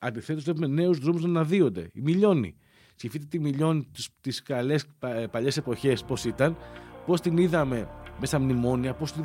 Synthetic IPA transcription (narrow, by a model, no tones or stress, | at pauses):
ɐnd̪iθet̪oseumene̞uzðɾomuznɐnɐðio̞nd̪e̞̰ḭmiʎo̞nḭ | scifit̪et̪imiʎo̞nist̪iskɐle̞spɐʎe̞se̞po̞çe̞sposit̪ɐnpo̞st̪iniðɐme̞mesɐmnimo̞niɐpo̞st̪ini